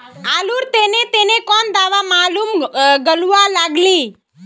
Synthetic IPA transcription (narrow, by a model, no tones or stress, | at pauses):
aːluːɾt̪eːnet̪enekɔnd̪aːʋamaːluːmɡəluʋalaːɡliː